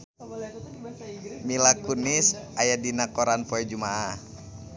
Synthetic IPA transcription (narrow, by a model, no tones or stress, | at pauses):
milakunisʔajadinakɔɾanpɔɛd͡ʒumaah